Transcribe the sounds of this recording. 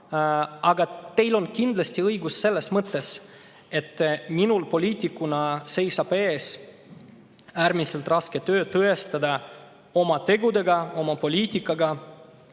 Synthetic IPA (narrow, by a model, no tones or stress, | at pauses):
ɑɡɑt̪e̞jlo̞nkind̪lɑsʲt̪iɤjɡusːe̞lːe̞smɤt̪ːe̞s | e̞t̪ːminulpo̞lʲiːt̪ʲˑikːunɑse̞jsɑpe̞ːs | æːɾmise̞lt̪ˑrɑsket̪ø̞ːt̪ɤe̞st̪ɑd̪ɑ | o̞mɑt̪e̞ɡud̪e̞ɡɑo̞mɑpo̞lʲiːt̪ʲikːˑɑɡɑ